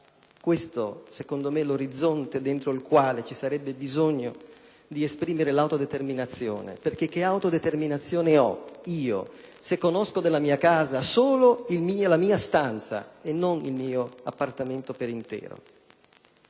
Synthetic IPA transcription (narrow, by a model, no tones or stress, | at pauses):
kwest̪osekond̪omeloɾid̪zːont̪ed̪ent̪ɾoilkwaːlet͡ʃisaɾɛbːebizoɲːo̰ | d̪iespɾiːmeɾelawt̪od̪et̪erminat̪sːjo̰ːnḛperk̟ek̟ːeawt̪od̪et̪erminat̪sːjoːneɔ̰iːo̰ | sekːonoskod̪elːamiːakaːzasoːloilmiːalamiːast̪ant̪sa̰enːonḭlmiːoapːart̪ament̪opeɾint̪ɛ̰ːɾo̰